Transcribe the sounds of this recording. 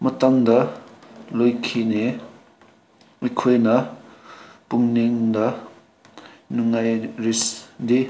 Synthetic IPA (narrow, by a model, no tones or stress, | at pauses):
mɐtaŋd̪ɐ | lojkʰine | ikʰojnɐ | puŋniŋdɐ | nuŋːajɾisd̪i